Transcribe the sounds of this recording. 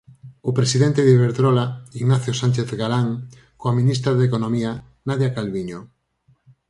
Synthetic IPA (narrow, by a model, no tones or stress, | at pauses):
opɾesiðɛnt̪ɪðeβeɾðɾolaiɣnaθjosanʲt͡ʃeθɣalaŋ | koaminis̬t̪ɾaðekonomia | naðjakalβiɲo